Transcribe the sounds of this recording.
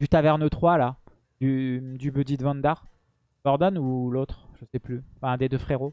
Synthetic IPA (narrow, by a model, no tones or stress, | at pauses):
dyt̪avɛʁnət̪χwala | d̪yd̪ybød̪id̪vɑ̃nd̪aʁ | ɔʁd̪ɔnulot̪χʒ̥əsɛplỹfɛ̃d̪ed̪øfχeʁo